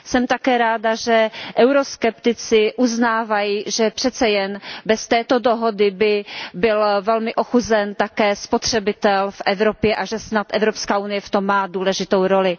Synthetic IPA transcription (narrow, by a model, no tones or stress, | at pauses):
sɛmt̪akɛːɾaːdaʒɛʔɛwɾoskɛpt̪ɪt͡sɪʔuznaːvajiːʒɛpr̥ɛt̪t͡sɛjɛnbɛst̪ɛːt̪o̞doɦo̞dɪbɪbɪlvɛlmɪʔoxuzɛnt̪akɛːspot̪r̝̥ɛbɪt̪ɛlfʔɛvɾopjɛʔaʒɛsnat̪ʔɛvɾopskaːʔunɪjɛft̪o̞mːaːduːlɛʒɪt̪owɾo̞lɪ